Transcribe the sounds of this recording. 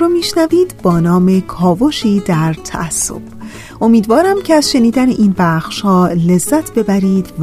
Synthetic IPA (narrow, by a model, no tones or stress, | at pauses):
omiːʃnæviːd̪bɒːnɒːme̞kʰɒːvo̞ʃiːd̪æɾt̪ʰæ̰ʔæsːo̰b̥ | ʔo̞miːd̪vɒːɾæmcʰeæzʃe̞niːd̪æneʔiːnbæxʃhɒːle̞zːæt̪ʰb̥e̞bæɾiːd̪v